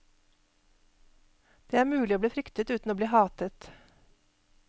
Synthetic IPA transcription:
d̪̥eːæːɾmʉːlɪoːbliːfɾʏkt̪ət̪ʉːt̪n̩oːbliːhɑːt̪ət̪

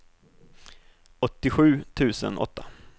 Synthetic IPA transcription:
ɔt̪ːɪɧʉ̟ːt̪ʰʉ̟ːsə̰nʔɔ̰t̪ʰːa

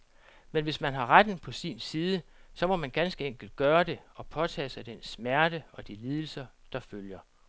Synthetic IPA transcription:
menʋe̝smænɦɑ̈ʁad̥n̩pʰɒ̽sḭnsiːð̞ˠəsɒ̽mɒ̽mænɡ̥ænsɡ̥əeŋ̰ɡ̥l̩d̥̚ɡ̥ɶːɐd̥e̝ɒ̽pʰɒ̽t͡sʰɛ̰ːsɑ̈ɪd̥ensmæɐɾ̥əɒ̽d̥iliːð̞ˠl̩sɐd̥ɑ̈føljɐ

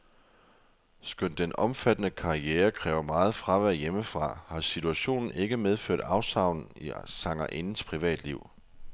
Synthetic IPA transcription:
sɡ̥øn̰d̥enʔɒ̽mfæd̥ənəkʰɑ̈ieːɐkʰʁɛːʊɐmɑ̈ːð̞̩ˠfʁɑ̈ʋæɐjeməfʁɑ̈hɑ̈sit͡sʰuæɕo̝̰ːnn̩e̝ɡ̥əmeð̞ˠføɐ̰d̥ɑ̈ʊsɑ̈ʊ̰nn̩isɑ̈ŋ̰ɐʔe̝nn̩spʰʁiʋɛ̰ːd̥liʊ̰

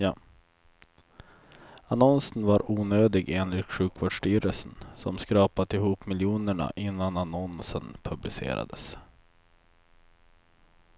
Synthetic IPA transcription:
anɔnsənvaɾuːnøːd̪ɪɡeːnlɪt̪ɧʉ̟ːkvoːɖʂʈyːɾəlsənsɔmskɾɑːpat̪ɪɦuːpmɪljuːnəɳa̰ʔɪnːananɔnsənpʰɵblɪsḛːɾa̰d̪ə̰s

